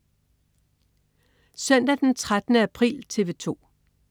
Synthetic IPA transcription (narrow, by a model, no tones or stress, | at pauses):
sœn̰d̥æd̥ent͡sʰʁad̥ənəæpʰʁḭːlt͡sʰe̝ʋe̝t͡sʰo̝̰ː